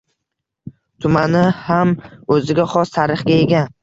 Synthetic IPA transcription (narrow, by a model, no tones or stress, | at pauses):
t̪ʰʊmanɪhamɵzɪɡʲaχɒst̪ʰaɾɪχɡʲaeɡʲan